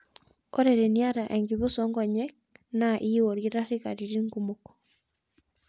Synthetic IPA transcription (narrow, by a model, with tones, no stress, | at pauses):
oɾeɾe˨nia˦ɾa˨ʔɛ˨ŋɡiβo˦sɔŋɡɔ˨ɲɛk̚naʔi˦wo˨ɾiɾa˦ɾi˦kaɾiɾi˦ŋɡu˦mokɔ̥